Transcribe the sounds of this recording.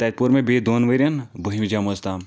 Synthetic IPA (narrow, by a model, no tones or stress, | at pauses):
t̪ɐt̪̚puɾmẽbed̪oːnʋɐɾʲjɐnbuɦimd͡ʒaːmost̪aːm